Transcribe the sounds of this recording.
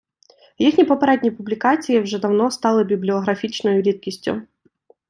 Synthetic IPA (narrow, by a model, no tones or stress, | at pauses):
jixnʲipɔpɐɾɛdʲnʲijpublʲikat͡sʲijɪwʐɛd̪ɐwnɔst̪ɑlˠɨbʲiblʲiɔɣɾɐfʲit͡ʃnɔjʊɾʲit̪̚kʲisʲtʲʊ̰